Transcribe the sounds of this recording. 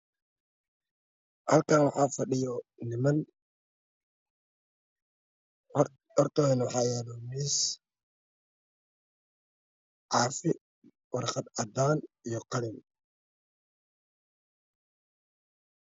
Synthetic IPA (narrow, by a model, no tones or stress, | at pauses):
hɐlkʰaːnwɑħɑːfɐɖɪjɔnɪmɐn | hɔrt̪ʰɐnwɑħɑːjɛːðɔmiːs | ʕɑːfɪ | wɑrχɑd̪ɐd̪aːnijɔqɑlɪn